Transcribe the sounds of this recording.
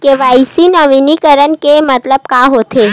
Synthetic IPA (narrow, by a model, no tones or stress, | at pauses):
keʋaisinəʋinikəɾənkemət̪ləb̚kaɦot̪ʰe